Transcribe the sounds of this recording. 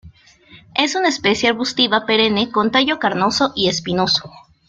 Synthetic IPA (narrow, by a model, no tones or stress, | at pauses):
e̞sunaespe̞sjeaɾβust̪iβape̞ɾe̞ne̞ko̞nt̪eʝo̞kaɾno̞so̞ʔie̞spino̞so̥